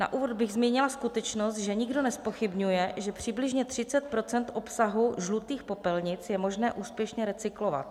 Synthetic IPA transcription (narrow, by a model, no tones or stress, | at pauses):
na̰ʔuːvo̞d̪bɪɣzmiːɲɪlaskut̪ɛt͡ʃnost̪ʒɛɲɪɡdo̞nɛspo̞xɪbɲujɛʒɛpr̝̥ɪblɪʒɲɛt̪r̝̥ɪt͡sɛt̪̚pɾo̞t͡sɛnt̪ʔo̞psaɦuʒlut̪iːxpo̞pɛlɲɪt͡sjɛmo̞ʒnɛːʔuːspjɛʃɲɛɾɛt͡sɪklova̰t̪